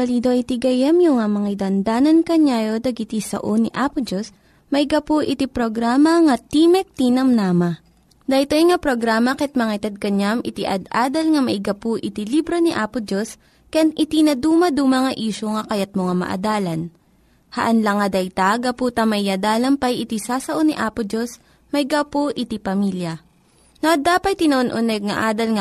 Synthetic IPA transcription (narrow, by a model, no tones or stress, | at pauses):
ɐliːd̪oʔit̪iɡɐjɐmjʊŋamɐŋad̪ɐnd̪aːnɐnkɐɲaːjod̪ɐɡɪt̪isɐ̰ʔoniʔaːpʊd͡ʒos | mɐɪɡɐpuʔɪt̪ipɾoɡɾaːmɐŋɐt̪imɛk̚t̪inɐmnaːmɐ | d̪ɐjt̪ojŋɐpɾoɡɾaːmɐkɛt̪̚mɐŋat̪ɐd̪̚kɐɲamʔɪt̪iʔɐd̪ʔaːd̪ɐlŋɐmɐʔɪɡɐpuʔɪt̪ilibɾoniʔaːpʊd͡ʒos | kɐjanʔɪt̪inɐd̪uːmɐd̪uːmɐŋɐʔiːʃoŋɐkɐjat̪̚moŋamɐ̰ʔɐ̰d̪aːlɐn | hɐ̰ʔɐnlɐŋːɐd̪ɐjt̪aɡɐpuːt̪ɐmɐʔiad̪aːlɐmpɐjʔɪt̪isaːsɐʔoniʔaːpʊd͡ʒos | mɐɪɡapoʔɪt̪ipɐmiljɐ | noʔɐd̪aːpɐt̪̚t̪ːɪnɐʔonʔonɛɡ̚ŋɐ̰ʔaːd̪ɐlŋɐ